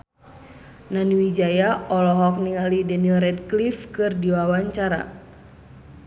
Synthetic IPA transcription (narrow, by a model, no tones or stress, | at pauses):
naniwid͡ʒajaʔɔlɔɦɔk̚niŋalidɛnilɾɛdklifkɨrdiwawaɲt͡ʃaɾa̰